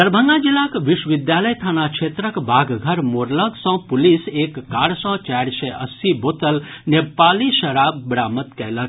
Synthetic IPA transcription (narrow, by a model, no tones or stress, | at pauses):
əɾbʱə̃ŋɡad͡ʒilakʋiʃwʋid̪jaːləjt̪ʰaːnakʃʰeːt̪ɾəkbʱaːɡɡʱəɾmoɾləɡsɔ̃puliseːkːaːɾsɔ̃t͡ʃaɾseʔəsibot̪əlnepaːliʃɐɾaːbːɾaːmət̪kɛɦlə